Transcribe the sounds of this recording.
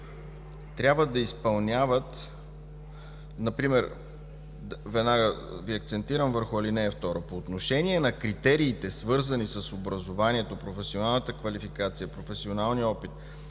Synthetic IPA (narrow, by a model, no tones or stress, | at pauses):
t̪ɾʲabvəd̪ɐispɐlˠnʲavət̪ | nɐpɾimɛɾ | vɛd̪naɡə | viɐkt̪sɛnt̪iɾəmvəɾxʊɐlinɛːft̪ɔɾopoːt̪noʃɛniɛnɐkɾit̪ɛɾiːt̪ɛsvɤɾzənisəsobɾɐzovaniɛt̪opɾofɛsionalˠnət̪əkvɐlifikat̪sijəpɾofɛsionalˠniɔpit̪̚